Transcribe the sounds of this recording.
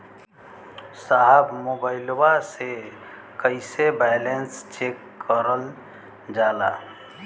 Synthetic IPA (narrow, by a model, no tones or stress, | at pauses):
saɦəbmobaɪlwase | kəɪsebɛɪlenst͡ʃekːəɾəl | d͡ʒaːla̰